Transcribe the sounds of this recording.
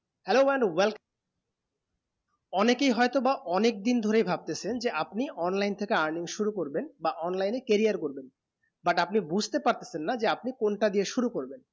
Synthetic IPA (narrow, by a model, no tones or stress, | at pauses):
hɛloɛɳɖwɛlk | ɔnekejɦɔjt̪obaʔɔnek̚d̪ind̪ʱoɾejbʱab̚t̪esʰend͡ʑeʔapniʔɔnlajnt̪ʰekeaɾniŋʃuɾukoɾbenbaʔɔnlajnekeɾijaɾkoɾben | baʈap̚nibud͡ʑʱt̪epaɾt̪e̥sʰenːad͡ʑeap̚nikonʈad̪ieʃuɾukoɾben